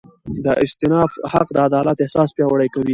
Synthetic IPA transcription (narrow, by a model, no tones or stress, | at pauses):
d̪əʔɪst̪ɪnɑfha̰qd̪əad̪ɑlat̪ɪhsɑspjɑwaɽajkawi